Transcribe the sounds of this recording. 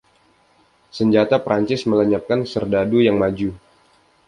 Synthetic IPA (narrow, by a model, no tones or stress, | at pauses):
səɲd͡ʒat̪apɾaɲt͡ʃɪsmələɲap̪̚kansərdadujaŋmad͡ʒu